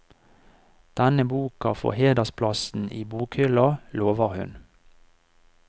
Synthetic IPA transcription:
d̪̥ɛnəbuːkɑfɔ̰heːd̪əspʰlɑsn̩ʔiːbuːkhʏlɑloːʋəʁhʉ̰n

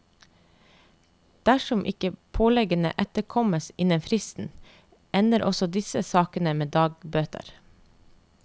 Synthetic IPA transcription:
d̪̥æʃɔmʔɪ̰kəpʰoːlɛɡənə̰ʔɛt̪əɾkʰɔməsɪnənfɾɪst̪n̩ | ɛnəɾʔɔsɔd̪ɪsəsɑːkənəmeːd̪ɑːɡbøːt̪ʰə̰ɾ

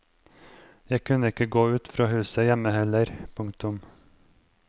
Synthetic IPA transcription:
jæɪkʰʉnəɪkəɡoːʉːt̪fɾɑːhʉːsəjɛməhɛləɾpʰʊŋkt̪ʊm

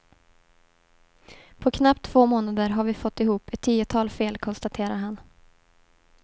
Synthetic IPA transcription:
pʰɔkʰnap̚t̪ʰːv̥oːmoːnad̪əɾɦaɾvɪfɔt̪ːɪhuːpɛt̪ʰːiːʊt̪ʰɑːlfeːlkʰɔnst̪at̪ʰeːɾaɾɦan

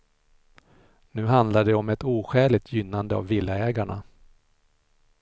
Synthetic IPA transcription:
nʉ̟ːɦand̪laɖɛɔmɛt̪uːɧɛːlɪt̪ʰjʏnːand̪əa̰vːɪlːaɛːɡaɳa̰

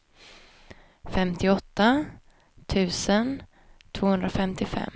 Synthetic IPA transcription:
fɛmt̪ʰɪɔt̪ːa | t̪ʰʉ̟ːsən | t̪ʰv̥oːhɵnd̪ɾafɛmt̪ɪfɛ̰mː

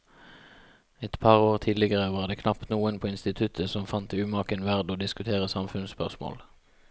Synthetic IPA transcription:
ɛt̪pʰɑːʁoːʁt̪ʰiːlɪɡəʁəʋɑːʁd̪eːkʰnɑpt̪nuːənpʰoːɪnst̪ɪt̪ʰʉt̪ʰəsɔmfɑnt̪əʉːmɑːkənʋæʁd̪oːd̪ɪskʉt̪ʰeːʁəsɑmfʉnspœʁsmo̰ːl

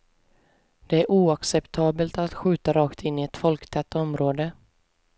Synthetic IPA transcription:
d̪̥ɛæɾʔuːaksɛpt̪ʰɑːbəlt̪at̪ɧʉ̟ːt̪aɾɑːkt̪ʰɪnːɪɛt̪fɔlkt̪ʰɛt̪ːɔmɾoːd̪ə

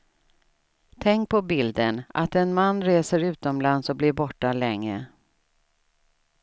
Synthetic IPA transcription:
t̪ʰɛŋk̚pʰɔbɪld̪əna̰t̪ɛnmanːɾeːsəɾʉ̟ːt̪ɔmlansɔblɪɾbɔʈːalɛŋːə

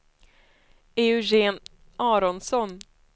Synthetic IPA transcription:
eɵʒeːn | ʔɑːɾɔnsɔn

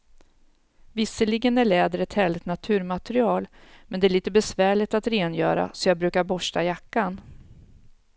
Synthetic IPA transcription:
vɪsːəlɪɡənæɭɛːd̪əɾɛt̪hɛːlɪt̪nat̪ʰʉ̟ːɾmat̪əɾɪɑːlmɛnd̪ɛæːɭiːt̪əbɛsvæːɭɪt̪at̪ɾeːnjœ̰ːɾa̰sɔjɑːɡ̚bɾʉ̟ːkaɾbɔʂʈajakːan

